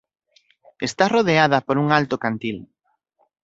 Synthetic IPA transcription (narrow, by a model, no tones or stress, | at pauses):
est̪aroðeað̞ɐpoɾuŋalt̪okant̪il